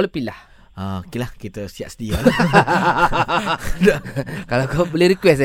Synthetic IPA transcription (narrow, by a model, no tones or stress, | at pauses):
ləpilah | aokelahkit̪əsia̰t̪̚sədial | kalakabolehɾikwɛs